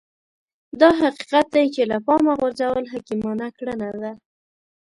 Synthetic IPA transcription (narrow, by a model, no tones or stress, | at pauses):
d̪ɑɦaqi̥qat̪̚d̪ajt͡ʃelapɑmaɣaɾzawəlɦakimɑnakɽənad̪a